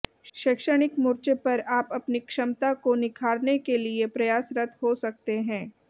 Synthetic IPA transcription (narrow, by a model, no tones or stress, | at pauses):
ʃɪkʃəɽ̃ɪkmʊːɾt͡ʃepɐɾaːpɐpnikʃɐmt̪akonɪkʰaːɾnekeliepɾɐjaːsɾɐt̪ʰɦosɐk̚t̪eɦɛ̃ː